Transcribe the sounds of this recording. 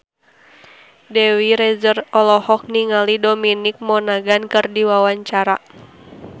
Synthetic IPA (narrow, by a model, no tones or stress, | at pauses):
dɛwiɾɛzərɔlɔhɔk̚niŋalidominik̚mɔnaɡankɨrdiwawaɲt͡ʃaɾa̰